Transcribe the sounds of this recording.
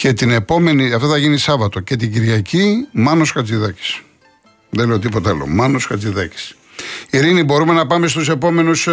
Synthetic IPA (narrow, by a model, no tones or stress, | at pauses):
ce̞t̪ine̞po̞me̞niɐft̪oθɐʝinisɐvɐt̪o̞ce̞t̪̬iɟiɾʝɐcimɐnoskɐt͡siðɐci̥s | ðeleo̞t̪̬ipo̞t̪ɐlo̰mɐnoskɐt͡siðɐci̥s | iɾinibo̞ɾume̞nɐpɐme̞s̬t̪use̞po̞me̞nus